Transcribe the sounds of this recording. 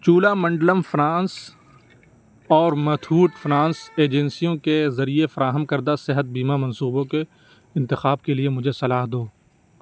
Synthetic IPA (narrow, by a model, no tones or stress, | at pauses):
t͡ʃuːlamɐ̃ɳɖləmfɾãːns | ɔːɾmɐt̪ʰuːʈfɾãːnseːd͡ʒɛnsijõkezɐɾiefɐɾaːɦəmkɐɾd̪asɪɦət̪̚biːmamɐ̃nsuːbõke | ɪ̃nt̪ɪxaːb̚keliemʊd͡ʒʱesɐlaːɦd̪oː